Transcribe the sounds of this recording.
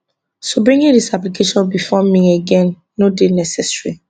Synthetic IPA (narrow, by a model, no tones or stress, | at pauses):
sobɹĩŋĩdisaplikʰeʃɔ̃nbifɔmĩeɡɛ̃nː | odenɛsɛsɹi